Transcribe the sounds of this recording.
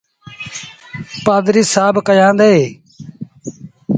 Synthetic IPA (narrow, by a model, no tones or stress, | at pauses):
paːd̪ɾiːsaːbʱkəjãːnd̪eːeː